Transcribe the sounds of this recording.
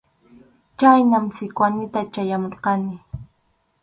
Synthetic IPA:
t͡ʃajnamsɪkwanɪt̪at͡ʃajamoɾqɑnɪ

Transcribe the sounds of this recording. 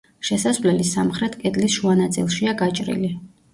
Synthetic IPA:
ʃɛsasvlɛlisamχɾɛt̪ʰkʼɛd̪lisʃuanat̪sʼḭlˠʃiaɡat͡ʃʼɾḭli

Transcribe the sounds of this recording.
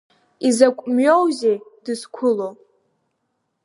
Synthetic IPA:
izakʷʼmɥowzed̥ɨskʷʰʊlo

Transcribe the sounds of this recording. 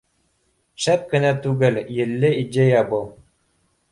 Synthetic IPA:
ʃæp̚kɘ̆næt̪ʉɡɘljɘ̆lːɘid̪ʲejæbɤlˠ

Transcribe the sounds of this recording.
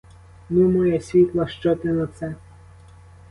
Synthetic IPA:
nʊmɔjɛsʲʋʲit̪lˠɐʃt͡ʃɔt̪ɪnɐt̪sɛ

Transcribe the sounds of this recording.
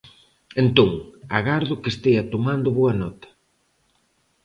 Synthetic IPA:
ent̪oŋaɣaɾðʊkest̪eɐt̪omand̪ʊβoɐnɔt̪ɐ̥

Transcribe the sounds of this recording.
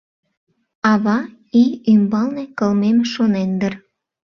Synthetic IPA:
ɑβɑ | iymbɑlnekəlmemʃonend̪ər

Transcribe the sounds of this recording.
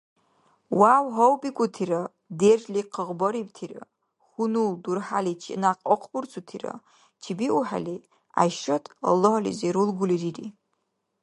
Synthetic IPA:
wawɦowpʼikʷʼʊtʰiɾa | deʒliqʰəʁbɐɾib̚tʰira̰ | χʷunuldurħalit͡ʃʰinaqʼɔqʷʰʼburt͡sʰutʰira̰ | t͡ʃʰibiʔuħa̰li | a̰jʃatʼa̰loɦalḭzeɾulɡʷʊlirirḭ

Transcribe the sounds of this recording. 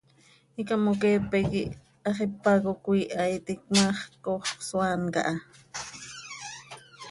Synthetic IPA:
ikamokepekiʔ | ɑχipːakokʷiːʔɑjt̪ikmaχkoχswanka̰ʔɑ

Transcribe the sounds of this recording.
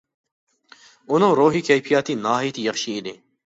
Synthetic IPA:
ʊnõːɾoːɦiːkʰejpʰijaːt̪iːnaːɦit̪ijɐxʃiːleː

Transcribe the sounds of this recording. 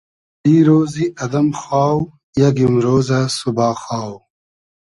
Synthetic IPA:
d̪iːɾoːziʔɐd̪ɐmxwaːw | jaɡimɾoːzasubɑːxwaːw

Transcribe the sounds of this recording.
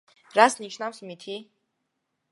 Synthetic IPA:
ɾasniʃnafsmit̪ʰi

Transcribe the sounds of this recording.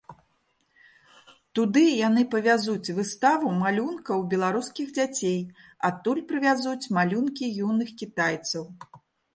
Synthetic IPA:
t̪ud̪ɨjanɨpɐvʲazut͡sʲvɨst̪avumalʲunkɐwbʲɛlˠaɾuskʲiɣd͡zʲat͡sʲejat̪ːulʲpɾɨvʲazut͡sʲmalʲunkʲijunɨxkʲit̪ajt̪sɐw

